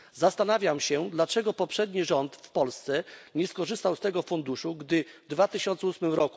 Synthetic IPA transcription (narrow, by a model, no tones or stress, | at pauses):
zast̪anavʲjamɕɛd̪lat͡ʂɛɡɔpɔpʂɛd̪ɲiʐɔnt̪fpɔlst̪sɛɲɛskɔʐɘst̪awst̪ɛɡɔfund̪uʂuɡd̪ɘvd̪vat̪ɘɕɔnt̪sɛusmɘmɾɔku̥